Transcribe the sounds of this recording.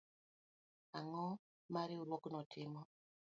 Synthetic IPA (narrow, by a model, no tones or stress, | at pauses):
aŋɔ | maɾiuɾwɔkunɔtʰimɔ